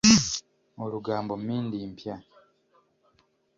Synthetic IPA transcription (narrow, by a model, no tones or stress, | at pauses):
oɾuɡaːmbo̞mmiːndimpja